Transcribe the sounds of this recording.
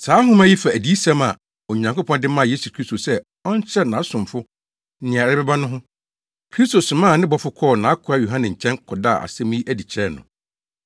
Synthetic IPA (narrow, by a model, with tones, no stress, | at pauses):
saː˨˦ɦʊ̃˦mæ̃˦ji˦fa˨æ˨di˨˦sã˦ma˨ | o˨ɲã˨ŋko˦pʰɔ̃˦ndɪ˦mã˦˨je˦su˨kʰɾi˦sto˨sɛ˦ | ɔ˦ɲ˦t͡ɕʰɛ˦nã˨˦sʊ̃˨mfʊ˦ | n̩˦nɪ̃˨a˨ɾa˦bɛ˦ba˦nʊ̃˦ɦʊ̃˦ | kʰɾi˦sto˨sʊ˨mãː˦˨nɪ̃˦bɔ˨fʊ˦kʰɔː˦˨nã˨˦kʰʊ˨ɾa˦jo˨ɦã˦nɪ̃˨ɲ̩˨t͡ɕʰɛ̃˦ŋkʰɔ˨da˦˨a̰˨sɛ̃˦mĩ˦ʔæ˦di˨t͡ɕʰɛ˦˨nʊ̰̃˨